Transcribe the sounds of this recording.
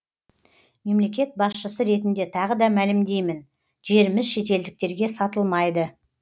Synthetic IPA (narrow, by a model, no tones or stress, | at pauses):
me̞mle̞kʲe̞t̪̚bɑsʃəsəɾe̞t̪ɪnd̪e̞t̪ʰɑʁəd̪ɑmælɪmd̪e̞jmɪn | ʒe̞ɾɪmɪzʃe̞t̪e̞ld̪ɪk̚t̪e̞ɾɡʲe̞sɑt̪əlˠmɑjd̪ə